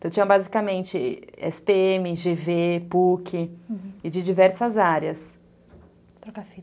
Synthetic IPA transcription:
t̪ɐ̃w̃t͡ʃĩɐ̃bazikɐmẽnt͡ʃɪɛ̰speẽmɪʒevepukʰɪɪd͡ʒɪd͡ʒivɛɾsɐzaɾjɐs | kafi

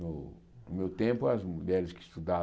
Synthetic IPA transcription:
ʊ | nʊmewt̪ẽmpʊɐzmuʎɛɾɪskɪist̪ud̪a

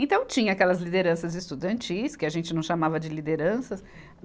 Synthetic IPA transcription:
ẽt̪ɐ̃w̃t͡ʃĩɲɐakɛlɐzlid̪eɾɐ̃sɐzɪst̪ud̪ɐ̃nt͡ʃiskɪaʒẽnt͡ʃɪnɐ̃w̃ʃamavɐd͡ʒɪlid̪eɾɐ̃sɐs

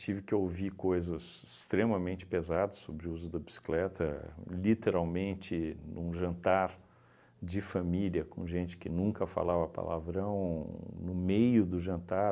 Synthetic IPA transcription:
t͡ʃivɪkɪowvikojzɐsɪst̪ɾẽmɐmẽnt͡ʃɪ̥pezad̪ɐssːobɾɪuzʊd̪ɐbisi̥klɛt̪ɐ̰lit̪eɾawmẽnt͡ʃɪnṵ̃ʒɐ̃nt̪aɾ | d͡ʒɪfamiliɐkõ̰ʒẽnt͡ʃɪ̥kɪnũŋkɐfa̰lavɐapa̰lʔa̰vɾɐ̃w̃nʊmejʊd̪ʊʒɐ̃nt̪a

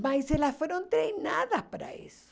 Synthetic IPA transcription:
maiselasfweɾont̪ɾejnaðaspaɾa̰ḛso̥

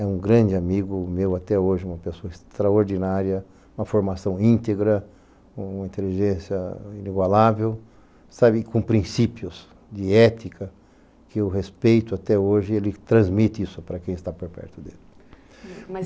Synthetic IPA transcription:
ɛũɡɾɐ̃nd͡ʒ̪ɪamiɡʊmewat̪ɛoʒɪũmɐpesoɐɪst̪ɾaoɾd̪inaɾjɐ | ũmɐfoɾmasɐ̃w̃ĩnt̪eɡɾɐ̃ | ũmɐĩt̪eliʒẽsjɐiniɡwalavew | sabɪkõpɾĩsipjʊs | d̪ɪɛt̪ikɐ | kɪʊɦespejt̪ʊat̪ɛoʒɪelɪt̪ɾɐ̃zmit̪ɪisʊpaɾɐkẽj̃ɪst̪apoɾpɛ̰ɾt̪ʊd̪elɪ

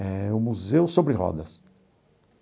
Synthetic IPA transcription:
ɛʊmuzewsobɾɪʁɔ̰d̪ɐs

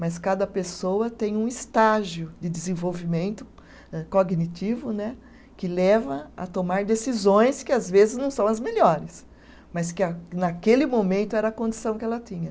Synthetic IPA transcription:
mɐskad̪ɐpesowɐt̪ẽj̃ũɪst̪aʒjʊd͡ʒ̪ɪd̪ɪzẽvowvimẽnt̪ʊ | ɛkoɡnit̪ivʊnɛ | kɪlɛvɐɐ̰t̪omaɾd̪esizõj̃skɪazvezɪznɐ̃w̃sɐ̃w̃ɐzmeʎɔɾɪs | mɐskɪanakelɪmõmẽnt̪ʊɛɾɐkõnd̪isɐ̃w̃kɛlɐt̪ĩɲɐ

